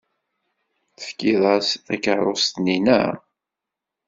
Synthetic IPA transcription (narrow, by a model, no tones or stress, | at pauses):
θə̥fkːiðˤɑsθækəɾˤost̪ninə̰